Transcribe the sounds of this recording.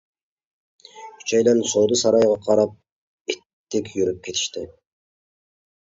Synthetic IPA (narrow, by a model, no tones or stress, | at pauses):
kʲʰy̥t͡ʃʰɛjd̪ɛnsoːd̪usɑɾɑjʁɑqʰɑɾɑp̚ | it̪ːɪkʲʰjyɾyp̚kʲʰet̪ʰi̥ʃt̪ɪ